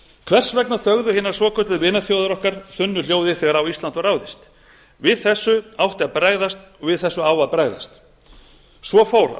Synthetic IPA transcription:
kʰvɛr̥svɛknaθœɣðʏhɪːnːaɾ̥svɔːkʰœt̪ʏðvɪːnaθjoːwðʏɾɔhkaɾ̥θʏnːʏljoːwðɪθɛːɣaɾawist̪lant̪vɔɾawðɪst̪ | vɪðθɛsːʏawht̪ɪapɾaɣðast̪ɔɣvɪðθɛsːʏaːwvaðpɾaɣða̰st̪ | svɔfoːwɾ

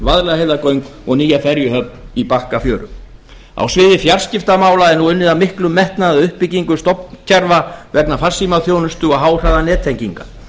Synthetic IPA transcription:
vaðɾlɛhejvðakœɥŋkɔɣniːjafɛɾjʏɦœp̚nipahkafjœːɾʏ̰m | a̰wsvɪːðɪfjaɾ̥scɪft̪amaːwlaɛɾnuʏnːɪðamɪhklʏmːɛht̪naðaʏhpːɪciŋkʏst̪ɔpnc̪ʰɛɾvavɛknafarsimaθjownʏst̪ʏɔɣɦaːwr̥aðanɛːt̪ʰejŋciŋka

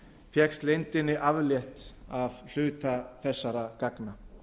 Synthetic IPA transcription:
fjɛkst̪lejnt̪ɪnːɪʔavljɛht̪avl̥ʏːt̪aθɛsːaɾakakna

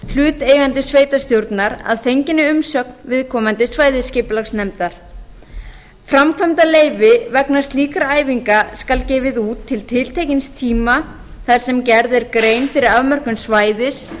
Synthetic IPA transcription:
l̥ʏːt̪eːjɣant̪ɪsveːjt̪ast̪jowɾt̪naɾa̰ðθejɲcɪnːɪʏmsœːk̚nvɪðkʰɔːmant̪ɪsvaːjðɪscɪːplaxsnɛmt̪aɾ̥ | fɾamkʰvɛmt̪aleːjvɪvɛknast̪liːkaɾaːjviŋkaskalcɛːvɪðuːt̪ʰːɪlt̪ʰɪl̥t̪ʰejcɪnst̪ʰiːma | θaɾ̥sɛmcɛɾðɪɾkɾeːjnfɪɾɪɾavmœr̥kʏnsvaːjðɪs

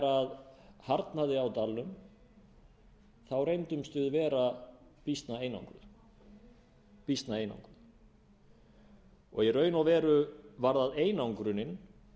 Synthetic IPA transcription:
ɾaðhaɾt̪naðɪawt̪alːʏm | θawɾejnt̪ʏmst̪ʏðvɛːɾapist̪naeːjna̰wŋkɾʏ̰ð | pist̪naejna̰wŋkɾʏð | ɔɣjɛɾœːɥjnawvɛːɾʏvaɾðaðeːjnawŋkɾʏnɪn

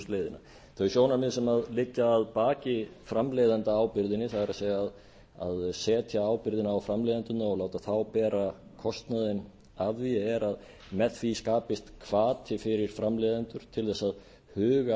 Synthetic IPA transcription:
st̪lejðɪna̰ | θʰœjsjoːwnaɾmɪðsɛmaðlɪcːaːðpaːcɪfɾamleːjðant̪aaːwpɪɾðɪnːɪθaɣaɾaðseːjaːð | a̰ðsɛːt̪ʰjaaːwpɪɾðɪnaːwfɾamlejðant̪ʏnːaɔlaːwt̪aθawpɛːɾa | kʰɔst̪naðɪn | aviɛɾað | mɛθfiskaːpɪst̪kʰvaːt̪ʰɪfɪɾɪɾ̥fɾamlejðant̪ʏɾ̥t̪ʰɪlθɛsːað | hʏːɣa

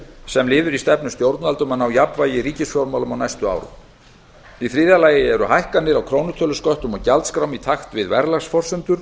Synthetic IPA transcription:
sɛmlɪːðʏɾist̪ɛpnʏmst̪jowɾt̪nalt̪ʏmanːawjapvaːjɪriːcɪsfjɔwɾmaːlʏmawnajst̪ʏa̰ːwɾʏ̰ | iθɾiːðalaːjɪɛɾʏhajhkanːɪɾawkʰɾownʏt̪ʰœːlʏskɔht̪ʏmɔɣcalt̪skɾawmit̪ʰaxt̪vɪðvɛɾlaɣsfɔr̥sʏmt̪ʏɾ̥

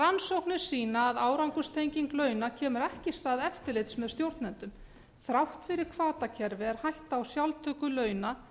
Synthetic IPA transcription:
ransowhknɪ̥siːnaːðaːwɾawŋkʏst̪ʰejɲciŋklœːɥnacʰɛːmʏɾɛhcɪst̪aːðɛft̪ɪɾlejt̪smɛðst̪jowɾ̥t̪nɛnt̪ʏm | θɾawht̪fɪɾɪɾ̥kʰvaːt̪acʰɛɾvɪɛɾ̥hajht̪aːwsjawlt̪ʰœːkʏlœːɥna

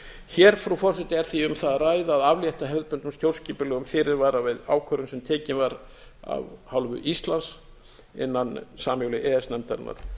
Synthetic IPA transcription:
çɛːɾ̥fɾufɔ̥sɪt̪ɪɛɾ̥θviʏmθaðraːjðaːðavljɛht̪aɦɛvðpʏnt̪ʏmst̪jowlsciːpɪlœɣʏmfɪɾɪɾvaːɾavɪða̰ːwkʰœɾʏnsɛmt̪ʰɛːcɪnvaɾ | a̰vhawlvʏ̰ʔist̪lans | ɪ̰nːansaːmjowlɪʔɛːɛsnɛmt̪ɛɾna̰ɾ̥

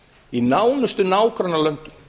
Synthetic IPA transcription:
inaːwnʏst̪ʏnaːwkɾanːalœnt̪ʏ̥

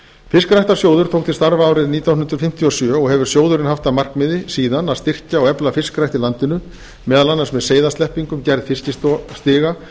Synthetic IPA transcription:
fɪskɾajht̪asjoːwðʏɾt̪ʰowkt̪ʰɪst̪aɾvaːwɾɪðniːt̪aw̪nʏnt̪ɾ̥fɪm̥t̪ʰjiɔsjœːɔɣɦɛvʏɾ̥sjoːwðʏɾɪnɦaft̪amar̥kmɪðɪsiːðanaðst̪ɪr̥caɔɣɛplafɪskɾajht̪ɪlant̪ɪnʏ | mɛːðalanːasmɛðseːjðast̪ɛhpiŋkʏmcɛɾðfɪscɪst̪st̪ɪːɣa

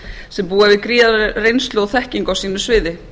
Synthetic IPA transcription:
sɛmpuːavɪðkɾiːarejnst̪lʏɔθɛhciŋkawsiːnʏsvɪːðɪ

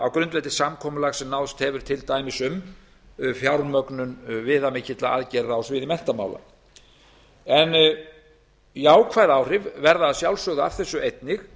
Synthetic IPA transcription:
awkɾʏnt̪vɛt̪ɪsamkʰɔːmʏlaɣsɛmnawðst̪hɛvʏɾ̥t̪ʰɪlt̪aːjmɪsʏm | fjawɾmœknʏnvɪːðamɪcɪt̪la̰ʔa̰ðcɛɾːaawsvɪðɪmɛn̥t̪ama̰ːwla̰ | ɛn | jaːwkʰvaːjðaːwr̥ɪvvɛɾðaːðsjawlsœɣðaavθɛsːʏejt̪nɪx

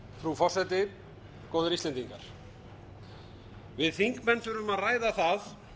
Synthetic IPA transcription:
fɾufɔrsɛjt̪ɪ | kowðʏɾist̪ɛnt̪iŋkaɾ̥ | vɪðθiŋkmɛnθʏɾʏmaðraːjðaθað

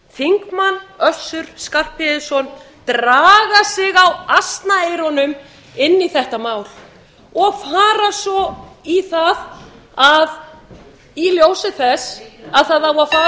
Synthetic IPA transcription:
θiŋkmanːœsʏɾ̥skar̥pɪðɪsɔn | t̪ɾaːɣasɪɣawast̪naejɾɔnʏm | ɪnːiθɛht̪amaːwl | ɔɣfaːɾasɔiθað | að | iljowsɪθɛsaðθaðawafaː

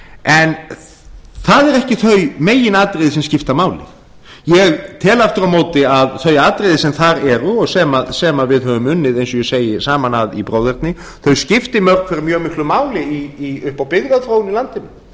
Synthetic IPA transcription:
ʔɛn | θaðɛɾɛhcɪθœɥmeːjːɪnaːt̪ɾjðɪsɛmscɪft̪amaːwlɪ̰ | jɛɣt̪ʰɛːlaft̪ʏɾawmoːwt̪ɪaðθœɥaːt̪ɾejðɪsɛmθaɾɛɾʏɔɣsɛːmasɛːmavɪðɦœvʏmʏnːɪðejnsɔjɛseːjɪsaːmanaðḭpɾoːwðɛɾt̪nɪ | θœɥscɪft̪ɪmœɾ̥kkfɛɾɪɾmjœːɣmɪhklʏmaːwlɪiiʏhpawpɪðkaðθɾoːwɪnilant̪ɪnɪ

